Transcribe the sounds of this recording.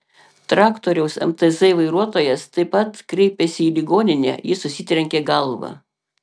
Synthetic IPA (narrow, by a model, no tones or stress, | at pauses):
t̪ɾɑːkt̪oːɾʲɛʊsɛ̰mt̪ɛzɛɪʋɐɪɾuɔt̪oːjɛst̪ɐɪpɐt̪kɾʲɛɪpʲesʲɪiːlʲɪɡoːnʲɪnʲɛ̰ːjɪsʊsʲɪt̪ʲɾʲɛŋʲkʲeːɡɐlˠʋɐ̰